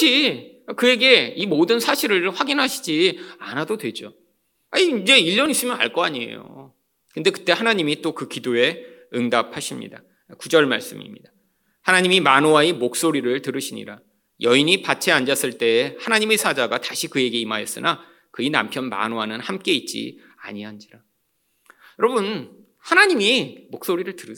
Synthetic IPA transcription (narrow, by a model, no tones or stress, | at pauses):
t͡ɕʰi | kɯje̞ɡe̞imodɯnsʰaɕʰiɾɯɭɸwaɡinɦaɕʰi̥d͡ʑianadodwe̞d͡ʑo | aɲiid͡ʑe̞iʎːʌnis͈ɯmjʌna̰ɭk͈ʌaɲiḛjo̰ | kɯnde̞kɯ̥t͈e̞hanaɲimit͈okɯkidoe̞ɯŋdap̚haɕʰimɲḭda | kud͡ʑʌɭma̰ɭs͈ɯmḭmɲida | hanaɲimimanoaimok̚s͈oɾiɾɯɭtɯɾɯɕʰiɲḭɾa | jʌiɲipat͡ɕʰeand͡ʑas͈ɯɭt͈e̞hanaɲimesʰad͡ʑaɡataɕʰikɯe̞ɡe̞imajʌs͈ɯnʔa | kɯina̰mpʰjʌnma̰noanɯnhamk͈e̞it̚t͡ɕ͈ḭ | a̰ɲiɦand͡ʑiɾa | jʌɾʌbun | hanaɲimimok̚s͈oɾiɾɯɭtɯɾɯ